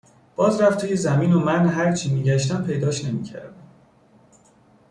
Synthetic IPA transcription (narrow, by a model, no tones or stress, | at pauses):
b̥ɒːzɾæft̪ʰuːjezæmiːnomænɦæɾt͡ʃʰiːmiːɟæʃt̪æmpʰe̞jd̪ɒːʃne̞mḭːcʰæ̰ɾd̪æm